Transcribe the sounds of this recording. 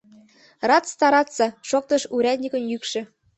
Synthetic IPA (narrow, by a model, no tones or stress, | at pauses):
rɑtt͡st̪ɑɾɑt̪t͡sɑʃok̚t̪ɤ̆ʃuɾʲæd̪̚ʲnʲikə̆njykʃɘ̆